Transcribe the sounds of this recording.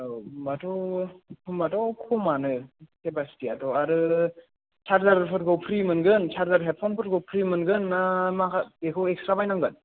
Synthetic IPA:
batʰopʰɯmbatɔkʰomanɯkebastiatɔaɾɯ | t͡ʃʰaɾzaɾpʰɯt̚ɡɯwpʰɾimɯnɡɯnt͡ʃʰaɾzaɾɦet̚pʰɔnpʰɯt̚ɡowpʰɾimɯnɡɯnːamakʰaekʰɯwekstɾabajnaŋɡɯn

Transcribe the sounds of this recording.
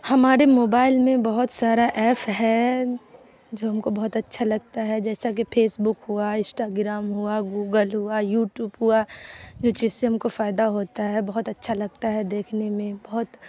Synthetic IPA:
hɐmaːɾemoːbaːɪlmẽbɐɦʊt̪saːɾaʔɛːpʰɦɛ | d͡ʒoːɦɐmkobɐɦʊt̪ɐtːʃʰalɐɡ̚t̪aɦɛd͡ʒɛːsak̬epʰeːsbʊkɦʊaɪ̃sʈaːɡɾaːmɦʊaɡuːɡəlɦʊajuːʈjuːbɦʊad͡ʒoːt͡ʃiːzseɦɐmkofaːɪd̪aɦoːt̪aɦɛbɐɦʊt̪ɐtːʃʰalɐɡ̚t̪aɦɛd̪eːkʰnemẽbɐɦʊt̪

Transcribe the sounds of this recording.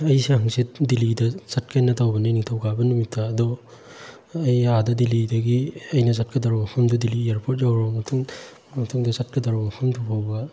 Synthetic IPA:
ɐjsihaŋsit̚dilidɐsɐt̚kʰajnɐtawbɐniniŋtʰawɡabɐnumitʰːaːdɔ | jadɐdilidɐɡiɐjnɐsat̚kɐdaɾɔmɐkʰɐmdudiliaɾpʰot̚zawɾɔmɐtʰuŋ | mɐtʰuŋdɐsat̚kɐdaɾɔmɐkʰɐmdʰupʰawbɐ

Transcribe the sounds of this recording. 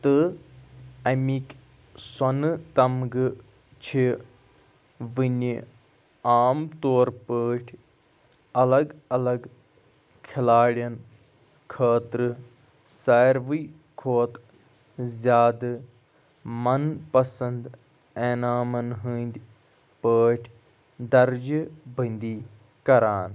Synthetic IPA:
t̪ɨ | ɐmikʲ | sɐnɨt̪ɐmɡɨ | t͡ʃʰi | ʋɨni | aːmt̪oːɾpəːʈʰ | ɐlɐɡɐlɐɡ | kʰilaːɽjɐn | kʰaːt̪ɾɨ | saːjɾʋɨ | kʰoːt̪ | zʲjaːd̪ɨ | mɐnpɐsɐnd̪ | eːnaːmɐnɦɨːnʲd̪ʲ | pəːʈʰ | d̪ɐɾd͡ʒbʱənd̪iː | kɐɾaːn

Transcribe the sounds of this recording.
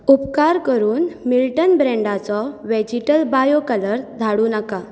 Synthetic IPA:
upkaɾkəɾuːnmilʈənbɾɛɳɖat͡sɔʋɛd͡ʑiʈəlbajokələɾd̪ʱaɽuːnaka

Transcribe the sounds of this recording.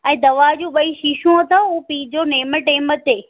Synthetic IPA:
ɛ̃ːd̪ɐʋad͡ʑũːɓɐiːʃiʃũɐt̪auːpiːd͡ʑoːneːməʈeːmət̪eː

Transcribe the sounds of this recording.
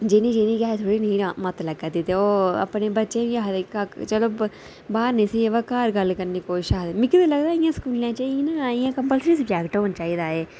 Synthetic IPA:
d͡ʒenĩːd͡ʒeːnĩːkaːet̪ʰoːɽiːnĩmət̪ləɡət̪iːt̪eoːə̰pneːbətːʃẽːjaːɦd̪ekakt͡ʃəloː | baːɾnẽsieʋaːkaːɾɡəlkəɾniːkoːiʃaːd̪emɪkd̪eləɡd̪aːɪjãːskuːljãːt͡ʃaːiinãijãːkəmpəlsɾisʊbd͡ʒɛːkʈɦoːnt͡ʃaːiːd̪aːeː

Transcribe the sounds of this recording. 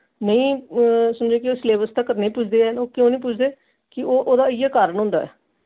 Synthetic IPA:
nəĩːsʊnd͡ʒeːkɪoːsleːbəst̪aːkəɾnẽːpʊt͡ʃʰd̪eːɛːoːkjõːnĩːp̬ʊt͡ʃʰd̪eː | kɪoːʔoːd̪aːɪjaːkaːɾəɳɦõːnd̪a̰ːɛ̰ː

